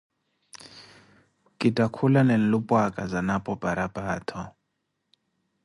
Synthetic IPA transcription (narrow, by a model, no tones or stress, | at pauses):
kʼitʼakʰulanen̩lupʼwakʼazanapʼɔpʼaɾapʼaːtʰɔ